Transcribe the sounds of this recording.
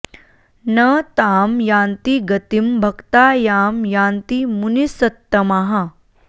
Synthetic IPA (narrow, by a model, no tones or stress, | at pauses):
nət̪aːmjãːnt̪iɡɐt̪imbʱɐkt̪aːjaːmjaːnt̪imunisɐt̪ːɐmaɦa